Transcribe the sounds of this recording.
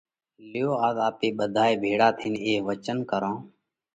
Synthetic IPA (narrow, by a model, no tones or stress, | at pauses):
lɪjoːaːzaːpeːɓəd̪ʱaːeːbʱeːɽaːt̪ʰiːneːʋət͡ʃənkəɾãː